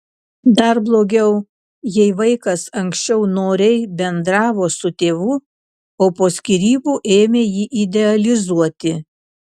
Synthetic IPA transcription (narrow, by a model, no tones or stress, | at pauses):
d̪ɐɾblˠoːɡʲɛʊ | jɛɪʋɐɪkɐsɐŋʲksʲt͡ʃʲɛʊnoːɾʲɛɪbʲɛnd̪ɾɑːʋoːsʊt̪ʲeːʋuː | oːpoːsʲkʲiɾʲiːbuːʔeːmʲeːjiːʔid̪ʲɛɐlʲɪzuɔt̪ʲɪ